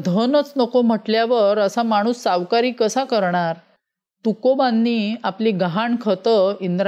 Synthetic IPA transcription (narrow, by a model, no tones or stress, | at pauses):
d̪ʱənət͡snəkom̤əʈljaʋəɾəsamaɽ̃uːsːaʋkaɾiːkəsakəɾɳaɾ | t̪ukobanːiːapliːɡɦaɳkʰət̪əind̪ɾa